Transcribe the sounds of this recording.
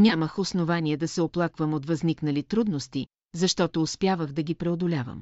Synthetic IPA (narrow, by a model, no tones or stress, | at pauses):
nʲaməxosnovaniɛd̪ɐsɛoplˠakvəmot̪vɐzniknɐlit̪ɾud̪nost̪i | zɐʃt̪ɔt̪oːspʲjavəɣd̪ɐɡʲipɾɛod̪olʲavə̰m